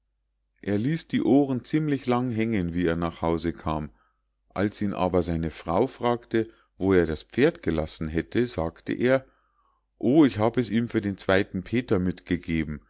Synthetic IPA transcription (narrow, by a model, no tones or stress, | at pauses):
ʔeːɐliːsd̥iːʔoːʁənt͡siːmlɪçlaŋɦɛŋənviːeːɐnaːχhaʊzəkʰaːm | ʔalsʔiːnʔa̰ːbɐzaɪnəfʁ̥aʊfʁ̥aːktə | voːeːɐdaspp͡feːɐtɡ̥əlasn̩ɦɛtʰəzaːktʰə̰ʔeːɐ | ʔoːɪçhaːbəɛsiːmfyːɐdeːnt͡sv̥aɪtn̩pʰeːtɐmɪtɡ̥əɡeːbm̩